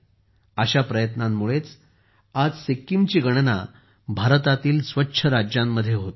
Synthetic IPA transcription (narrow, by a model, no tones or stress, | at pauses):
əɕapɾəjət̪namːuɭet͡s | ad͡zsekːimt͡ɕiːɡəɽ̃na̰ | bʱaɾt̪at̪iːlsʋətːɕʰəɾad͡ʑjamːəd̪ʱːjeɦot̪